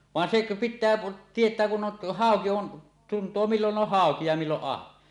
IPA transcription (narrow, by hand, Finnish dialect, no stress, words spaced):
ʋɑn sek pitˑæː tietˑæː kun on hɑˑoki on tuntoː milːon on hɑˑoki jɑ milːoʔ ʔɑhʋen